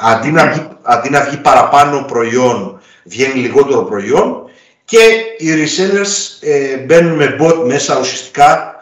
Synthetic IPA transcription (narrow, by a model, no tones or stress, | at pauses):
ɐnd̪inɐvʝiɐnd̪inɐvʝipɐɾɐpɐno̞pɾo̞io̞n | vʝeniliɣo̞t̪e̞ɾo̞pɾo̞io̞n | ce̞iɾiselesebenunme̞bo̞t̪̚me̞sɐusiɐst̪i̥kɐ